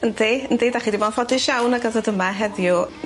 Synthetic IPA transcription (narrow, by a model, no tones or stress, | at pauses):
əndeəndeːdaχiːdivɔːnfɔdɪʃawnaɡazɔdəmaɦɛðjʊ